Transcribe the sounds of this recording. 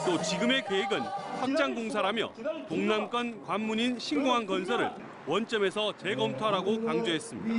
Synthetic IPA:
t͈ot͡ɕiɡɯme̞keeɡɯnɸwak̚t͡ɕ͈aŋɡoŋsʰaɾɦamjʌ̰toŋnamk͈ʌnkwamːuɲinɕʰinɡoŋɦanɡʌnsʰʌɾɯ̰ɭ | wʌnt͡ɕ͈ʌme̞sʰʌt͡ɕe̞ɡʌmtʰaɾaɡokaŋd͡ʑoɦe̞s͈ɯmɲḭda

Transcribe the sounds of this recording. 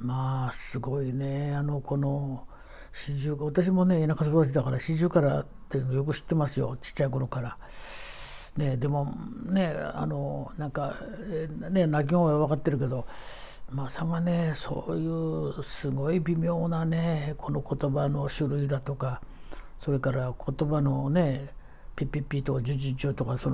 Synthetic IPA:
maːsɨɡo̞ine̞ano̞kʰo̞no̞ | ɕiʑɨːβat̪aɕ̬imo̞ne̞ːnakas̬obat̪aɕ̬id̪akaɾaɕiʑɨːkaɾa | t̪ːe̞jɯnoːjo̞kɯ̟ɕi̥t̪ːe̞masɨjo̞̰t͡ɕi̥t͡ɕːaiko̞nokaɾa | ne̞d̪e̞mo̞ne̞a̰no̞nãŋka | ne̞nak̬ʲioeβakat̪ːe̞ɾɯ̟ke̞d̪o̞ | masaŋane̞so̞̰ːjɯːsɨɡo̞ibʲimʲjo̞ːnane̞kʰo̞no̞kʰo̞t̪o̞bano̞ɕɨɾɯ̟id̪at̪o̞ka | so̞ɾe̞kaɾakʰo̞t̪o̞bano̞ne̞ | pʲipʲipʲit̪okad͡ʑɨd͡ʑit͡ɕɨːt̪o̞kason

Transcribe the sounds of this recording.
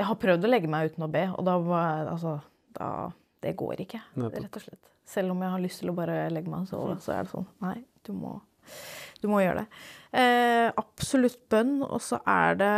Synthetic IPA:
jæɪɦɑɾpʰɾœʋd̪ɔlɛɡːəmæɪʉːt̪nɔbeːɔ̰d̪ɑɑ̰lsɔ | d̪̥ɑ̰ | d̪̥ɛɡo̰ːɾɪkʰːəɾɛt̪ːɔʂɛt̪ː | sɛlːɔmjæɪhɑɾɭʏst̪ʰɪlɔbɑːɾəlɛɡːəmæɪnsɔ̰ld̪ɛsɔ̰æ̰ɖɛsɔ̰nːnæɪd̪̥ʉmɔ̰ | d̪̥ʉmɔjøːəɖɛ̰ | ʔɑpsɔlʉt̪ːbœnːɔ̰sɔ̰ʔæ̰ɖɛ

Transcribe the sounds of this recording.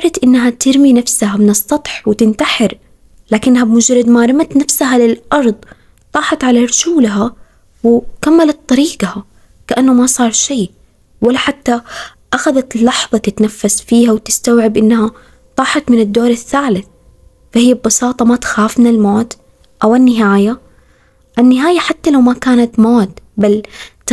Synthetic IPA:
ʔɑrˤɑt̪ʔɪnːaɦat̪ɪɾminafsahamɪnɨsˤːɑt̪ˤħwɪt̪ɪnt̪aħɪɾ | laːkɪnːɦabmʊd͡ʒɾˤɑd̪maːɾˤɪmat̪nafsaɦalɪlʔɑɾˤd̪ˤ | t̪ˤɑːħɑt̪ʕalaɾˤʊʃuːlɦa | wɪkamːalat̪ˤːɑɾiːɡaha | kaʔanːʊmasˤɑːɾˤʃiː | walːaħat̪ːa | ʔaxaðat̪lːɑħðˤɑt̪ɪt̪nafːasfiːhawt̪ɪ̥st̪awʕɪbʔɪnːha | t̪ˤɑːħɑt̪mɪnɪd̪ːoːɾˤaθːaːlɪθ | fahɪjːabːɑsɑːt̪ˤɑmat̪xaːfmɪnɪlmoːt̪ | ʔawanːɪɦaːja | ʔanːɪɦaːjaħat̪ːalawmakaːnat̪moːt̪bal

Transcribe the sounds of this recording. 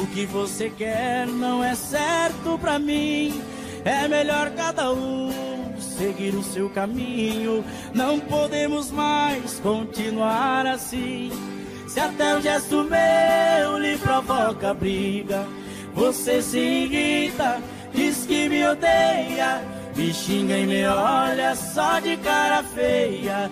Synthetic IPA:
ʊkɪvosekɛɾnɐ̃w̃ɛsɛɾt̪ʊpɾamĩ | ɛmeʎɔɾkad̪aũ | seɡiɾʊsewkamĩɲʊ | nɐ̃w̃pod̪ẽmʊzmajskõt͡ʃĩnuaɾasĩ | sɪat̪ɛũʒɛst̪ʊmejʊlɪpɾovɔkɐbɾiɡɐ | vosesɪɡit̪ɐ | d͡ʒiskɪmɪod̪ejɐ | mɪʃĩŋɡɐẽj̃meɔʎɐsɔd͡ʒɪkaɾɐfejɐ

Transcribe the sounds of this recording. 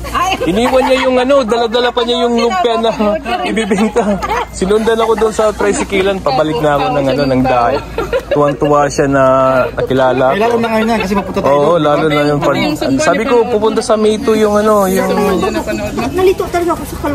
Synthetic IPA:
ʔɪniːwɐnɲajʊŋɐno̞d̪ɐlɐd̪ɐlapɐɲajʊŋlʊpɪɐnɐʔɪbibɛnt̪ɐsɪnʊnd̪ɐnɐko̞d̪ʊnsɐt̪ɾɐjsɪkiːlɐnpɐbɐlɪk̚nɐɐko̞nɐŋɐno̞nɐŋd̪aːʔɐj̪t̪ʊwɐŋt̪ʊwaʃanɐnɐkɪlaːlɐʔaloɐŋajnakɐsɛmɐpʊt̪ɐoʔolaːlonɐjʊŋpɐɐ̰saːbɪko̞pʊpʊnt̪asɐmiːt̪ʊjʊŋɐno̞jʊŋ | nɐlit̪ot̪ɐlɡɐɐkosɐkɐ

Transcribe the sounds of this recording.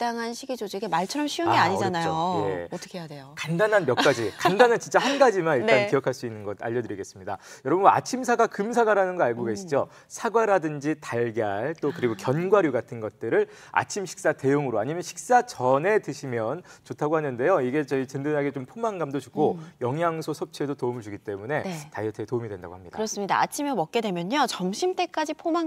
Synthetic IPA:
t͈aŋɦanɕʰiɡid͡ʑod͡ʑiikʰemaɭt͡ɕʰʌɾʌmɕʰiuŋɡeaɲid͡ʑanajoje̞̰tʰʌ̥kʰejadejokandanɦanmjʌkk͈ad͡ʑikandanant͡ɕint͡ɕ͈aɦhanɡad͡ʑimaniɭt͈anijʌkʰaɭs͈uinːɯnɡʌda̰ʎːʌdɯɾiɡe̞s͈ɯmɲida̰jʌɾʌbna̰t͡ɕʰimsʰaɡakɯmsʰaɡaɾanɯnɡʌaɭɡoɡe̞ɕʰid͡ʑo | sʰaɡwaɾadɯnd͡ʑitaɭɡjaɭt͈okɯɾiɡokjʌnɡwaɾjuɡatʰɯnɡʌt̚t͈ɯɾɯɭ | a̰t͡ɕʰimɕʰi̥k̚s͈ate̞joŋɯɾoaɲimjʌnɕʰi̥k̚s͈at͡ɕʌne̞tɯɕʰimjʌnt͡ɕotʰaɡohanɯnde̞joiɡe̞t͡ɕʌit͡ɕɯndɯnɦaɡet͡ɕompʰomaŋɡamdot͡ɕuɡʰojʌŋjaŋsʰosʰot͡ɕʰedotoumɯɭd͡ʑuɡit͈e̞mune̞tajʌtʰetomidwe̞nda̰ɡo̰hamɲid̥aɯɾʌs͈ɯmɲida̰a̰t͡ɕʰimemʌk͈̚e̞dwe̞mjʌɲot͡ɕʌmɕʰimt͈e̞k͈ad͡ʑipʰoma

